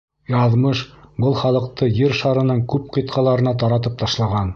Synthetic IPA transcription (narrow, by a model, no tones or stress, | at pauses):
jɑðmɤʃbɤlˠχɑlˠɤ̆q̚t̪ɤjɘɾʃɑɾɤ̆nɤɴkʉp̚qɤ̆t̪qʰɑlˠɑɾɤ̆nɑt̪ɑɾɑt̪ɤp̚t̪ɑʃlˠɑʁɑn